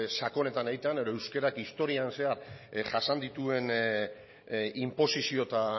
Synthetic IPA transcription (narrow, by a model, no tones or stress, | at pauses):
sako̞ne̞t̪aneɣit̪eane̞ðo̞ewskeɾakist̪o̞ɾianse̞aɾʝasand̪it̪ue̞n | impo̞sisio̞t̪a